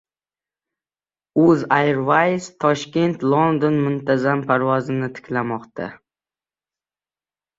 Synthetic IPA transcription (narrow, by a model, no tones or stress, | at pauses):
ɵzajɾvajst̪ʰɒʃkʲe̞nt̪ʰlˠond̪onmʊnt̪ʰazampʰaɾvɒzɪnɪt̪ʰɪ̥kʲʰlamɒqt̪a̰